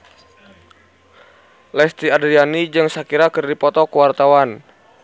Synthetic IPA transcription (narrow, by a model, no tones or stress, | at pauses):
lɛst̪iadɾianid͡ʒɨŋsakiɾakɨrdipɔt̪ɔkuwart̪awan